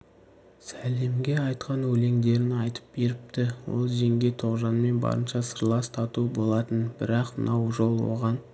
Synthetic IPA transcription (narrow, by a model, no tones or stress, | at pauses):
sæle̞mɡʲe̞ɑjt̪qɑnwɵle̞ŋd̪e̞ɾɪnɑjt̪ə̥p̚be̞ɾɪp̚t̪ɪwo̰lˠʒe̞ŋɡʲe̞t̪ʰo̞ʁʒɑnme̞nbɑ̰ɾənʃɑsəɾlˠɑst̪ʰɑt̪ubo̞lˠɑt̪ənbɪɾɑqmənɑwʒo̞lˠwo̞̰ʁɑn